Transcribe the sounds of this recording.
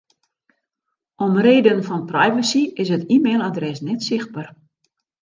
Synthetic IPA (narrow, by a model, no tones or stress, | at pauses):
ɔmreːdənfɔnprajvəsiɪsətiːmeːlˠadrɛsnɛtsɪxt̚bər